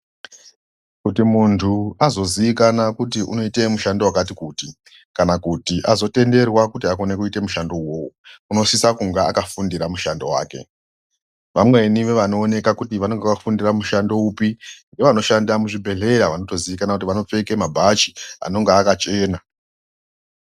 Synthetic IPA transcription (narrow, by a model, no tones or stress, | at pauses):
kutimuntʰuazo̞ziikanakutiʔṵno̞ite̞muʃandowakatikuːti | kanakutiʔazo̞te̞nde̞rwakutiakone̞kuite̞muʃando̞uwouuno̞sisakuŋɡea̰kafundiɾamuʃando̞wa̰ːke̞̰ | ʋamwe̞niʋe̞ʋano̞ːne̞kakutiʋano̞ŋɡekafundiramuʃando̞upiŋɡe̞ʋano̞ʃandamuʐibʱe̞ɮe̞ɾaʋano̞to̞ziʋikanakut̬iʋano̞p͡fe̞kemabʱat͡ʃi̥a̰no̞ŋɡeakat͡ʃe̞ːna